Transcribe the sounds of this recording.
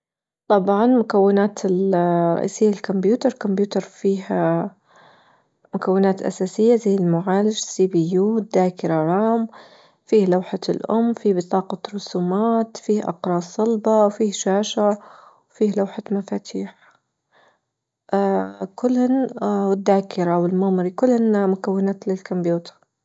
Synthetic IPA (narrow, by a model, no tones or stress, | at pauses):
t̪ˤɑbʕɑnmʊkawːɪnaːt̪ʰɪlɾˤɑ̰ʔḭːsɪjːalkʊmbjuːt̪ɑɾˤkʊmbjuːt̪ɑɾˤfiːh | mʊkawːɪnaːt̪ʔa̰saːsɪjːazajɪlmʊʕaːlad͡ʒsiːbijuːd̪aːkɪɾaʕaːm | fiːhlawħalʔʊmːfiːbɪt̪ˤɑːqɑtɾˤʊsuːmaːt̪fiːhʔɑ̰qɾˤɑːsˤɑlbɑwfiːʃaːʃawfiːhlawħamafaːt̪ʰiːħ | ʔakʊlːhanwɪd̪ːaːkɪɾawɪlmʊmɾikʊlːhɪnmʊkawːɪnaːt̪lɪlkʊmbjuːt̪ɑ̥ɾˤ